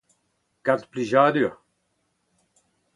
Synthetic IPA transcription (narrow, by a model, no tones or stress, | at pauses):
kat̪pliʒad̪yːʁ